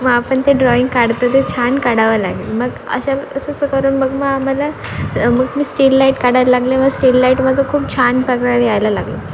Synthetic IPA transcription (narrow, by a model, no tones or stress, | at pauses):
məɡapəɳt̪eɖɾɔiŋɡkaɽt̪ət̪et͡ɕʰankaɽaʋəlaɡilməɡə̰ɕaʋəsəsəkəɾuːnməɡməɡam̤ala | məɡmiːsʈilːaiʈkaɽaəlaɡleməɡsʈilːaiʈməd͡zokʰuːp̚t͡ɕʰanpəkɽaɾjajlalaɡlo